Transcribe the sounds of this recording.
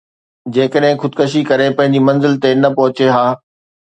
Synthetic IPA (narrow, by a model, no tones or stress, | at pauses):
d͡ʑeːkəɗɦɪ̃xʊd̪kɐʃ̬ikɐɾepɐ̃ɦɪ̃ɲ̆d͡ʑimɐ̃nzɪlt̪enɐpɐɦʊt͡ɕeɦaː